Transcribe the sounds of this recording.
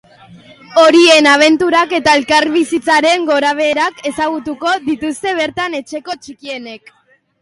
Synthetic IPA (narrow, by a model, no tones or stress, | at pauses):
o̞ɾie̞naβ̞e̞nt̪uɾake̞t̪ae̞lkaɾβisit͡saɾe̞ŋɡo̞ɾaβ̞e̞ːɾake̞saɣ̞ut̪uko̞ðit̪ust̪e̞β̞e̞ɾt̪ane̞t͡ʃe̞ko̞t͡ʃikie̞ne̞k